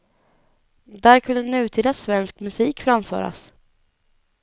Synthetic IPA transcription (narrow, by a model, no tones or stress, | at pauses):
d̪æːɾkʰɵnd̪ənʉ̟ːt̪ʰiːd̪asvɛnskmɵsiːkfɾamfœ̰ːɾa̰s